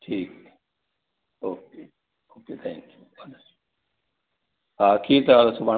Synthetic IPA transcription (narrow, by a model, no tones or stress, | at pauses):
ʈʰiːk | oːk̚eː | oːkeːt̪ʰɛ̰̃ːŋkju | aːls | ɦaːkʰiːt̪ɐaːlɐsuba